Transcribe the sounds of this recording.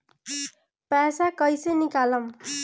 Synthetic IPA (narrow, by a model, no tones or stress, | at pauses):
pasakʌjsʌjnikalʌm